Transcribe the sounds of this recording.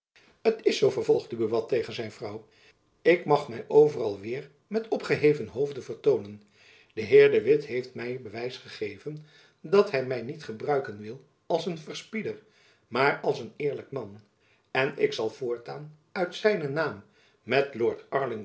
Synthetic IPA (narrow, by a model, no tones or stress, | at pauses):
ətɪsowvəɹvɔlˠχdəbəʋɑtejχənzɛjnvrɑw | ɪkmɑχmɛjʔowvərɑlˠʋɪːɹ | mɛtɔpχəɦejvənɦowvdənvəɹtownən | d̥əɦɪːɹdəʋɪtɦejftmɛjbəʋɛjsχəχejvən | dɑtɦɛjmɛjnitχəbrœɥkənʋɪlˠ | ɑlˠsənvəɹspidəɹ | maːɹɑlˠsənɪːɹlək̚mɑn | ɛnɪksɑlˠv̥ʊːɹtaːn | œɥtsɛjnənaːmː | ɛtlʊːɹtɑɹlɪŋ